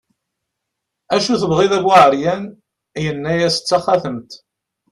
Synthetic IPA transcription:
æʃuθəvʁiðæɡwaʕəɾjæn | jənːæjæsə̥t͡sːaχæθəmt̪

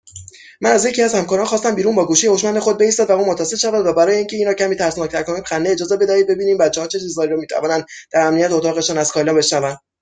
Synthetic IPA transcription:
mænæzje̞cʰiæzhæmkɒːɾɒːnxɒːst̪æmbiːɾuːnbɒːɡuːʃijehoʃmænd̪e̞xo̞d̪̚be̞ist̪ɒːd̪væuːmot̪ʰæset̪ʃævænd̪væbæɾɒːjeiŋcʰeiːnɾɒːcʰæmiːt̪ʰæɾsnɒːc̚t̪ʰæɾkʰɒoniːbxænd̪eed͡ʒɒːze̞be̞d̪æhiːd̪̚be̞biːniːmbæt̪̚t͡ʃːeɒːnt͡ʃʰe̞t͡ʃʰizd̪ɒːɾiɾɔːmiːt̪ʰæ̰vɒːnænd̪̥d̪̥æɾæmnijæt̪eot̪ʰɒːɣe̞ʃɒːnæzkʰɒːlɒbe̞ʃnævænd̪

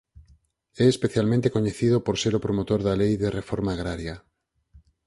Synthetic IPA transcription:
ɛespeθjalmẽnt̪ekoɲeθiðopoɾseɾopɾomot̪oɾðalejðerefoɾmaːɣɾaɾjɐ

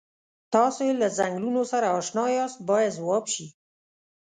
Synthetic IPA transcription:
t̪ɑsoelazaŋɡlunosaɾaːʃnɑjɑst̪̚bɑjad̪zwɑbʃi

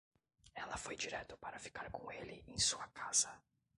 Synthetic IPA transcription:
ɛlɐfojd͡ʒiɾɛt̪ʊpaɾɐfi̥kaɾkõelɪẽj̃suɐkaz̥ɐ

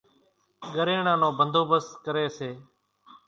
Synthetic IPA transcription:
ɠəɾeːɳãːnõːbʱənd̪ʱoːbəskəɾeːseː

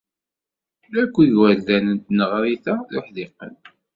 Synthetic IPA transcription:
ækʷːiʝwæld̪ænənt̪nəʁɾiθaθuħðɪqːə̰n

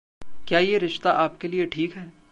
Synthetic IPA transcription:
kjaːjeɾɪʃt̪aʔaːp̚kelieʈʰiːkɦɛː

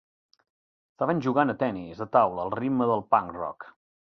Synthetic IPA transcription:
st̪aβənʲʒuɣanət̪ɛnizðət̪awləːlˠribməðəlˠpaŋkrɔ̰k

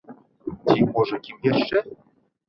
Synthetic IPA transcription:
t̪ʲimoʐɤ̆kʲimjeʃːɘ̆

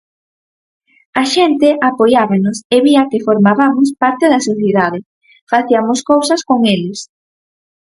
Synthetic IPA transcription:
aʃent̪eʔapojaβanoseβiɐkefoɾmaβamospaɾt̪eðɐsoθjeðað̞e | faθiamoskowsɐskoŋelɪs

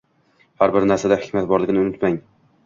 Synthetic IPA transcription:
haɾbɪɾnaɾsad̪ahɪkʲmat̪̚bɒɾlɪɡʲɪnɪʊnɪt̪maŋ

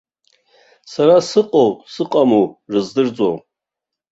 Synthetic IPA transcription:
saɾasɨqʼowsɨqʼamurɨzdɨrd͡zʼow

